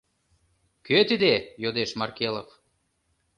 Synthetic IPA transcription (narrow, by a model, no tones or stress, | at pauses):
køt̪id̪ejod̪eʃmɑrkelˠo̰f